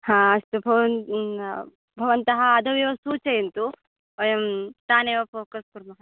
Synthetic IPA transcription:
hãːɐst̪ubʱɐʋɐn | bʱɐʋɐnt̪ɐɦɐːd̪ʱɐʋiʋɐsuːt͡ʃɐjɐnt̪u | jɐmt̪aːneːʋɐfoːkɐspuɾmɐɦɐ

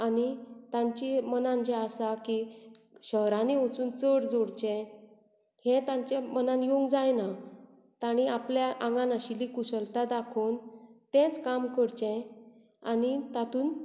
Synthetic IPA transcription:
anit̪ãɲt͡ɕimənãnd͡ʑɛasaki | ɕəɦɾaneot͡suːnt͡səɽd͡zoɽt͡ɕɛ̃ | hẽt̪ãɲt͡ɕemənãnjoŋɡd͡zajna | t̪aɽ̃iapljaʔãŋɡanaɕilikusəlt̪ad̪akʰoːnt̪ɛ̃t͡skamkəɽt͡ɕɛ̃ | a̰nit̪at̪uːn

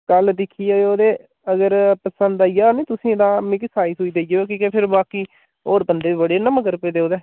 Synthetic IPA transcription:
kəld̪ɪkʰːiːoːoːd̪eː | əɡəɾpəsə̃nd̪aːijaːnĩːt̪ʊsĩːd̪ãːmɪksaːɪsʊiːd̪eːd͡ʒeoːkĩːkeːpʰɪɾbaːkiː | oːɾbənd̪eːiːbəɽeːnəməkəɾpeːd̪eːoːd̪eː

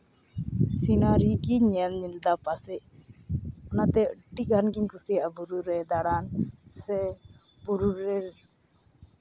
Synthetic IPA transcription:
sinaɾiɡiɲamɲild̪apasɛʔ | ɔnat̪ɛəʈːiɡʱanɡiɲkusiaabuɾuɾɛd̪aɽansɛbuɾuɾɛɾ

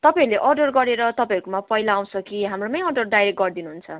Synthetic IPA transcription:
t̪ʌpajɾuleʔʌrɖʌrɡʌɾeɾʌt̪ʌpãj̃ʌɾukomapʌɦilaːw̃sʌkiɦamronʌjʌrɖʌrɖajɾek̚ɡʌrd̪inuɦunt͡sʰʌ

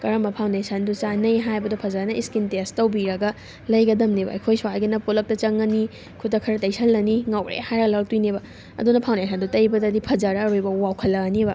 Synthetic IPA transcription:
kɐɾɐmɐpʰawndesɐndut͡ʃanɐjɦajbɐdupʰɐzaɾnɐʔiskintestɐwbiɾɐɡɐ | lɐjɡɐdɐmnibɐ̰ɐ̰jkʰojswajɡinɐpolɐk̚tɐt͡ʃɐŋːɐni | kʰutːɐkʰɐɾɐtɐjsʰɐlːɐniŋawɾḛhajɾaɡlal̚tujnibɐ | ɐ̰dunɐpʰawndesʰɐndutɐjbɐdɐdipʰɐzaɾɐːɾujbɐwawkʰɐlːɐnibɐ

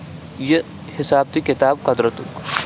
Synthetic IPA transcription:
je | hɪsaːb̚t̪ikɪt̪aːb̚kɐd̪ɾɐt̪uk

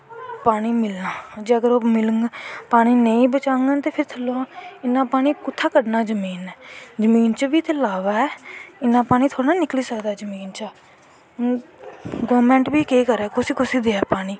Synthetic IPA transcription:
paːɽ̃iːmɪlnaːd͡ʒeːəɡəɾoːmɪləŋɡpaːɽ̃iːnəĩːbət͡ʃaːŋɡaːt̪eːpʰɪɾt̪ʰəloãːɪnːãːpaːɽ̃iːkʊt̪ʰːaːkəɽnaːd͡ʒəmiːnɛːd͡ʒəmiːnt͡ʃbiːt̪ʰːeːlaːʋaːɛːɪnːãːpaːñiːt̪ʰoːɽaːnɪkliːsəkd̪aːd͡ʒəmiːnt͡ʃə | ɡoːɾmɛ̃ːɳʈbiːkeːkəɾɛːkʊsiːkʊsiːd̪eːaːpaːɽ̃iː

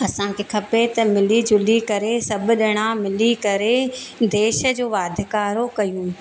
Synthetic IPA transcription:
ɐsãkʰeːkʰɐpet̪ɐmɪlid͡ʑʊlikɐɾesɐbʊɗɪɽ̃ãmɪlikɐɾed̪eːʃə̆d͡ʑoːʋaːd̪ʱɪkaːɾokɐjũː

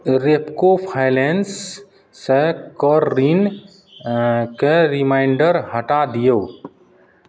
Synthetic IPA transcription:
ɾepkopʰaɪlensː | ekəɾːin | keɾɪmaɪɳɖəɾɦəʈad̪ijoː

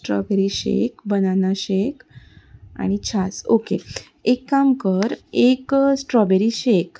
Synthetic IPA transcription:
sʈɾɔ̰beɾiɕḛkbənanaɕek | a̰ɽ̃it͡ɕʰasoke | ekːamkəɾeksʈɾɔbeɾiɕek

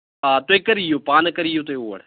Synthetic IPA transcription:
aːt̪oeːkəɾijoːpaːnkəɾijoːt̪oeoːə̰ɽ

